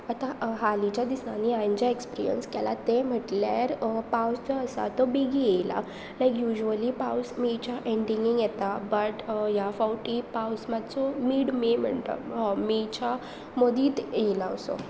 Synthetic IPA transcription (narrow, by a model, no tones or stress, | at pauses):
at̪aɦalit͡ɕad̪isaniãɲd͡ʑaekspiɾijə̰nskɛla̰t̪em̤əʈlja̰ɾpawst͡səəsa̰t̪ɔbiɡiela̰ | lajkjuʑuəlipawsmit͡ɕaʔeɳɖiŋɡiŋɡjet̪abəʈɦjafawʈipawsmat͡sɔmiːɽmem̤əɳt̪a̰mit͡ɕa | mod̪ʱiːt̪elaəso̰